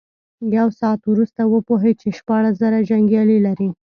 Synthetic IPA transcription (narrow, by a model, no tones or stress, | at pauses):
jawsɑːt̪wɾust̪awəpoɦet͡ʃeʃpɑɽaszaɾaʒaŋɡjɑlilaɾi